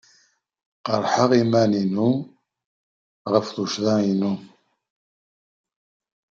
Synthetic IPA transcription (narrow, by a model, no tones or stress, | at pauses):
qəɾˤħəʁimæninu | ʁəfðuʃðˤɑinu